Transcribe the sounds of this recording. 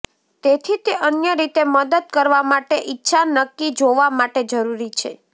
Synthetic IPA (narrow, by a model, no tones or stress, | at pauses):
t̪et̪ʰit̪eʔənjəɾit̪eməd̪əd̪̚kəɾʋamaʈeʔitːʃʰanəkːid͡ʒoʋamaʈed͡ʒəɾuɾit͡ʃʰe